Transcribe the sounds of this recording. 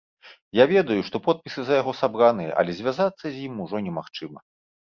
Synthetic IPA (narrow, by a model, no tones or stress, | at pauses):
javʲɛd̪ɐjuʂt̪ɔpɔt̪̚pʲisɨzɐjaɣɔsabɾanɨjɐ̰ʔɐ̰lʲɛzʲvʲazat̪sːɐzʲjimuʐɔnʲɛmaxt͡ʂɨmɐ